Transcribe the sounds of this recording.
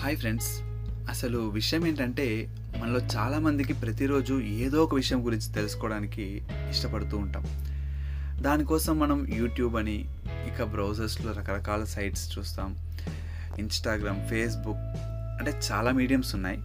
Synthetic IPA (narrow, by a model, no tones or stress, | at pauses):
haːjpʰɾe̞ɳɖs | ɐsɐluʋiʂɐjɐme̞ːɳʈɐɳʈe̞ː | mɐnɐlo̞ːt͡ʃaːlaːmɐnd̪ik̬ipɾɐt̪iɾo̞ːd͡ʒueːd̪ɔːɔkɐʋiʂɐjɐmɡuɾiɲt͡ʃi̥t̪e̞lusu̥kɔːɽaːniki | iʂʈɐpɐɽut̪uːɳʈa̰ːm | d̪aːnikɔːsɐmːɐnɐmjuːʈjuːbɐni | ikabɾɐwd͡ʒɐɾsloːɾɐkɐɾɐkaːlɐsɐjʈst͡ʃuːst̪aːm | insʈaːɡɾaːmpʰe̞ːs̬buk | ɐɳʈe̞ːt͡ʃaːlaːmiːɽijɐmsunːa̰ːji